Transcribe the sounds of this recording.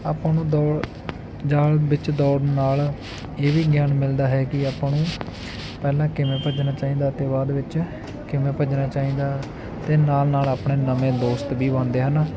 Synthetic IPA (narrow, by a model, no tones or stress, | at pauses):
aːpːnũːd̪ɔːɽ | d͡ʒaːlʋɪt͡ʃd̪ɔːɽnaːl | eːʋiːɡjaːnmɪld̪aːɦɛːkɪaːpãːnũː | pɛːlãːkɪmẽːpəd͡ʒnaːt͡ʃaːĩːd̪aːt̪eːbaːd̪ʋɪt͡ʃ | kɪmẽːpəd͡ʒnaːt͡ʃaːĩːd̪aː | t̪eːnaːlnaːlaːpɳeːnəmẽːd̪oːst̪biːbənd̪eːɦən